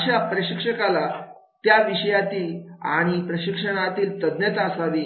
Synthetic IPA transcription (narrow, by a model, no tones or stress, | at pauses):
ɕjapɾəɕikʂəkala | t̪jaʋiɕəjat̪iːla̰ɽ̃ipɾəɕikʂəɽ̃at̪iːlt̪əd̪net̪asaʋiː